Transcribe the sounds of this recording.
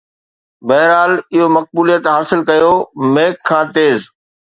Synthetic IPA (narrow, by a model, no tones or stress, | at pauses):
bɐɦɪɾaːlɪɦomɐk̚buːlijət̪ɦaːsɪlkɐjomeːkʰːãːt̪eːz